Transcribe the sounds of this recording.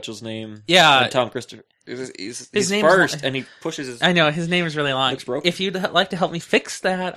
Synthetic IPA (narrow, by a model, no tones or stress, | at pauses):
t͡ʃl̩ˠznẽɪ̃mjæ̃tʰɑ̃mkʰɹ̥ɪstəf | ḭzhɨznẽɪ̃ɜ˞sɨ̃nipʰʊʃɨz̥ɨzaɪnoʊɨznẽɪ̃mɨzɹɪlˠilɑ̃ŋsb̥ɹoɨfjɨdˡlaɪk̚tɨɦɛlˠp̚mifɪksðæt̚